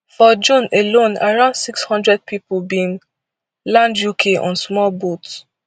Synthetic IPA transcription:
fɔd͡ʒũnelõnaɹãʊ̃ndsikshɔ̃ndɹɛd̚pʰipobĩn | lãndjukʰeʔɔ̰̃nsmɔlbots

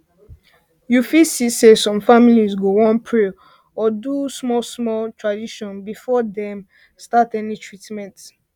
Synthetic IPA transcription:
jufisisesɔ̃mfamilizɡoɹɔ̃npʰɹe | ɔdusmɔlsmɔltʰɹadiʃɔ̃nbifɔdɛ̃m | statɛnitʰɹitmɛ̃nt

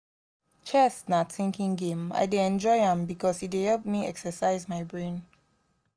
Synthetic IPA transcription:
t͡ʃʰɛstnatĩŋkĩŋɡẽma̰ɪdeɛ̃nd͡ʒɔɪhãmbikʰɔsit̚ehɛlp̚miɛksəsaɪzmaɪbɹẽn

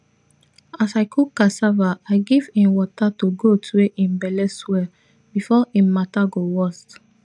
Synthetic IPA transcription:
asaɪkʰukasavaaɪɡivĩnwɔtatoɡotʰeʔĩmbɛlɛswɛ | bifɔĩmataɡowɔst

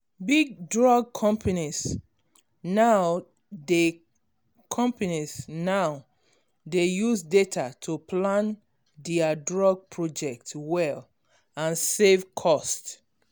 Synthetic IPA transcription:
biɡ̚dɹɔɡ̚kʰɔ̃mpʰanis | naʊ | de | kʰɔ̃mpanisnaʊ | dejusdetʰatʰupʰlãn | diadɹɔɡ̚pʰɹɔd͡ʒɛk̚twɛl | ãnsevkʰɔst

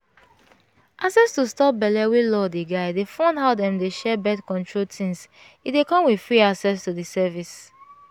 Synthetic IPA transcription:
ʔaksɛstustɔp̚bɛlɛwilɔdiɡaɪdefɔ̃ndɦaʊdɛ̃mdeʃɛbɛdkɔ̃ntʰɹoltʰĩŋs | idekɔ̃mwi̥fɹiasɛstudisɛvis

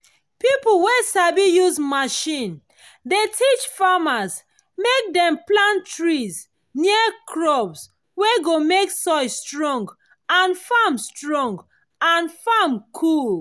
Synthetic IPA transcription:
pipl̩wesabijuzmaʃĩn | detʰit͡ʃfamaz | mek̚dɛ̃mplãntɹiz | niəkʰɹɔbs | weɡomeksɔɪstɹɔ̃ŋɡ | ãnfamstɹɔ̃ŋɡ | ãnfamkʰul

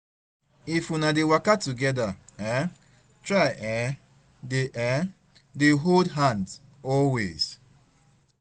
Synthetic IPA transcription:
ifunadewakatuɡɛdaɛ | tɹaɛ | deʔɛ | deɦoldɦãnd | ɔlwḛz̥

